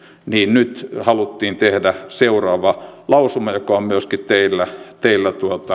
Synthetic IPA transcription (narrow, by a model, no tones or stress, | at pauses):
niːnnyt̪hɑlut̪ːiːnt̪ehdæseurɑːʋɑlɑusumɑjokɑommyøskit̪t̪eilːæt̪eilːæt̪uot̪ɑ